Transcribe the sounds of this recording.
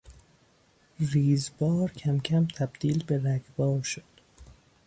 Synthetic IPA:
riːzbɒːɾcʰæmcʰæmt̪ʰæbd̪̥iːlbeɾæɡbɒːɾʃod̪̥

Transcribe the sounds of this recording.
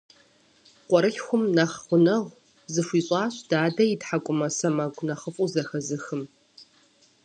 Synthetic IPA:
qʷʼɔɾɨɬxʷʊmnɐχχʷʊnɐʁʷ | zɨʃʷiːɕʼɑːɕd̥aːdɐitħakʷʼʊmɐsɐmɐɡʷnɐχəfʼuzɐxɐzɨxɨm

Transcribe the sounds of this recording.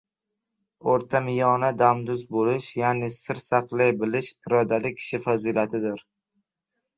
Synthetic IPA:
oɾt̪ʰamɪjɒnad̪amd̪ʊzbolɪʃjanɪsɪɾsaqlajbɪlɪʃɪɾɒd̪alɪkʲʰːɪ̥ʃɪfazilat̪ʰɪd̪ɪɾ

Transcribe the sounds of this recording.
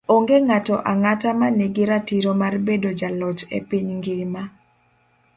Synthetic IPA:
oŋɡeŋatɔʔaŋatamaneɡɪɾatiɾomarbedod͡ʒalɔt͡ʃḛpiɲŋɡɪma

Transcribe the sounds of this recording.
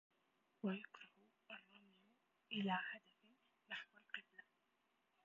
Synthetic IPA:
wajʊkɾɑh | ʔɑrˤːɑmɪj | ʔɪlaːhad̪af | naħwalqɪbla

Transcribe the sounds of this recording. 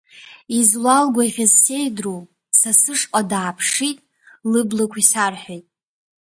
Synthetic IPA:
izlalɡʷaiχʲazse̞jdro | sasɨʂqʼadaːpʰʂitʼ | lɨblakʷʰisarħʷᶣajtʼ

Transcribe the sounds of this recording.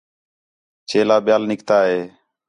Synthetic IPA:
t͡ʃʰeːlaːɓɪjaːlnɪkt̪aːɦeː

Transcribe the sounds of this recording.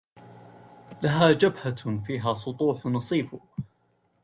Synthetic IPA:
laɦaːd͡ʒabhafiːɦaːsˤʊt̪ˤuːħnɑsˤiːfʊ

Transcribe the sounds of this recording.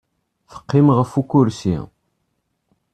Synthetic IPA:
fə̥qːimʁəfukːʊɾsḭ

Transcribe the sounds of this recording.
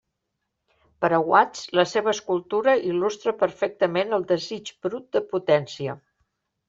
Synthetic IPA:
pəɾəɣwat͡sləseβəːskulˠt̪uɾəʔilust̪ɾəpəɾfɛk̚t̪əmenəlˠd̪əzit͡ʃbɾut̪̚d̪əput̪ɛnsiə

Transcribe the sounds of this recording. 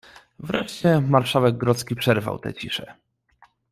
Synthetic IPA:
vɾɛʂt͡ɕɛmaɾʂawɛɡ̚ɡɾɔt̪skʲipʂɛɾva̰wt̪ɛ̰t͡ɕiʂɛ

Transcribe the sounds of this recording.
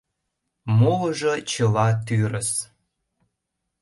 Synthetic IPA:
moləʒə̆t͡ɕə̆lɑt̪yɾəs

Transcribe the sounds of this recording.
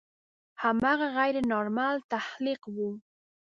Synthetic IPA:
hamɑɣɑɣajɾɪnoɾmalt̪ahlɪqwu

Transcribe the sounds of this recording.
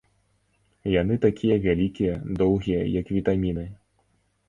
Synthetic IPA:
jan̪ɨt̪akʲʰijɐvʲalʲikʲijɐd̪ɔwɣʲijɐ̰jɐkvʲit̪amʲinɨ

